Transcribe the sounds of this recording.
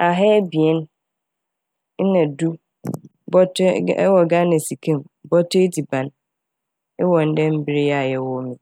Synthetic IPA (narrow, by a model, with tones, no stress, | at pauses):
a˨ɦɛ˦bi˨ɛ˦n˦ | nã˨du˦ | bɔ˦tʰwɔ˨ɡa˦nɛ̃˨si˨kʰẽ˦˨m | bɔ˦tʰʊ˦e˦di˨bã˨n | ɪ˦wɔ˨n̩˦dɛ˦m̩˦bi˦ɾɪ˦a˨jɛ˦wɔ˦mĩ˨